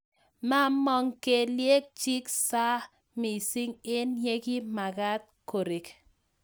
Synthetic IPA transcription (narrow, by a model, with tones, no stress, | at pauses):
ma˦mɔ˦ŋke˨lje˦k̚t͡ʃi˦ksa˦ | mi˨si˦ŋɪ˦nɲe˦ɡi˦ma˨ɡa˦t̚ko˨ɾɪ˨k